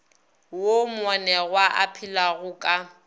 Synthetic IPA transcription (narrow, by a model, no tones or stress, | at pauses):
womwanɛɣwaʔa̰pʰilaɣʊkʼa